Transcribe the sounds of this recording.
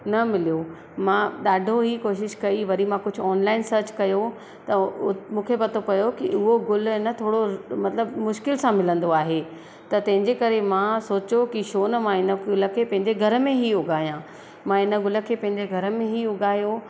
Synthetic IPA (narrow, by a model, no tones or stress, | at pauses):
nɐmɪlijo | mãɗaːɖʱoɦikoːʃ̬ɪʃkɐiʋɐɾimãkʊd͡ʑʱʊɔːnlaːɪnsɐɾt͡ɕkɐjo | t̪ɐmũːkʰepɐt̪ʰopɐjokiʊɦoɡʊlɪnə̆t̪ʰoːɽomɐt̪ləbmʊʃkɪlsãmɪlə̃nd̪oaːɦe | t̪ɐt̪ɐ̃ɦɪ̃ɲd͡ʑekɐɾemãsoːt͡ɕokiʃoːnəmãɪnəɡʊlə̆kʰeːpɐ̃ɦɪ̃ɲd͡ʑeɡʱɐɾə̆mẽɦiʊɡaːijãː | mãɪnə̆ɡʊlə̆kʰeːpɐ̃ɦɪ̃ɲd͡ʑeɡʱɐɾə̆mẽɦiʊɡaːjo